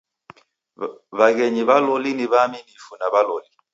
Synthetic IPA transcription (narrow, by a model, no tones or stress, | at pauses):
βaɣɛɲiβalɔliniβaminifunaβalɔli